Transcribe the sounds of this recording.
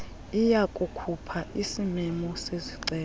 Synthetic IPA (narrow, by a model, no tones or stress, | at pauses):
ijakʼukʰupʰaʔisimɛmɔseziǀɛː